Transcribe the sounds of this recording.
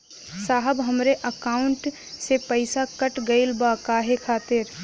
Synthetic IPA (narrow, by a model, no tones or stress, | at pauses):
saːɦəbɦəmɾeʔəkaːʊɳʈ | sepəɪsakəʈɡəɪlbakaːɦekʰaːt̪ɪɾ